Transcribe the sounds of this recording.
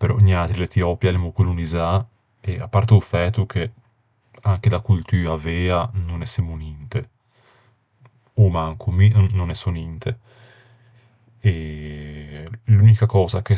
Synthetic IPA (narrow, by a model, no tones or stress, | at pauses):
peɾɔ̰ɲat̪ɾilet̪iɔːpjalɛmokuluniza | ea̰pːaɾt̪oufɛt̪ːukʰe | aŋk̟ed̪akult̪yːavɛːanonɛsemunint̪e | omaŋkʰuminonɛsonint̪ʰe | e | lunikakɔːzake